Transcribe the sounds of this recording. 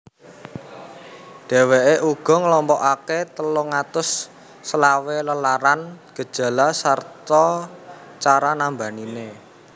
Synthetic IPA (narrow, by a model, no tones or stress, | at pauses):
ɖ̥e̤weʔeʔuɡ̥ɔ̤ŋəlɔmpɔʔaket̪əlʊŋat̪ʊsː | əlaweləlaɾanɡ̥ə̤d̥ʒ̥ä̤lasart̪ɔ | t͡ʃaɾanamba̤nine